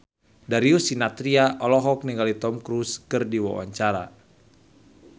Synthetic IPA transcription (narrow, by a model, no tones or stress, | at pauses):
daɾiusinat̪ɾiaʔɔlɔɦɔk̚niŋɡalit̪ɔmkɾuskɨrdiwa̰wa̰ɲt͡ʃaɾa̰